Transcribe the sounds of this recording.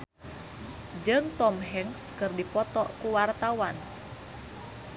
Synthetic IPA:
d͡ʒɨŋt̪ɔmɦɛŋskɨrdipɔt̪ɔkuwart̪awan

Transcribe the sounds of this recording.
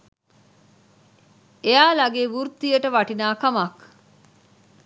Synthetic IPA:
eaːlɐɡeːʋuɾt̪ːijəʈəʋɐʈinaːkɐmɐk

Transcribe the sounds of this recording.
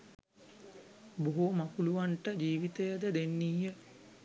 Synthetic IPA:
boɦomakuluʋaɳʈəd͡ʒiːʋit̪ejəd̪əd̪enːiːɦə

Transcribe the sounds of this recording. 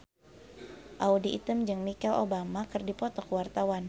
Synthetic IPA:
ʔaudiʔːt̪əmd͡ʒɨŋmikɛlo̰bamakɨrdipɔt̪ɔkəwart̪awan

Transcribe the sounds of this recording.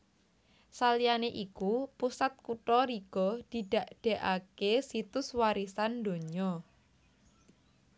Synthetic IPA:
salijaneʔikupusat̪̚kuʈɔɾiɡ̥ɔd̪̥i̤ɖ̥a̤ʔɖ̥e̤ʔakesit̪ʊswaɾisand̪o̤ɲɔ

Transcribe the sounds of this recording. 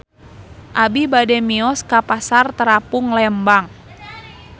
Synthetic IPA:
ʔabibadɛmiɔskapasart̪əɾapʊŋlɛmbaŋ

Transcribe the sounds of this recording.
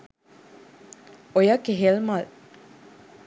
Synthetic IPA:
ojakeɦelmal

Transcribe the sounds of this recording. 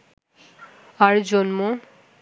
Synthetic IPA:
aɾd͡ʑonmo

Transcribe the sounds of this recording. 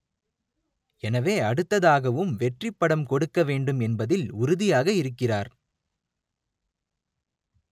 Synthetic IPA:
ɛnɐʋeːɐɽɯt̪ːɐðaːɣɐʋɯmʋɛʈrɪpːɐɽɐmkɔɽɯkːɐʋeːɳɖɯmɛnbɐðɪlʊɾɯðɪjaːɣɐɪɾɯkːɪraːɾ

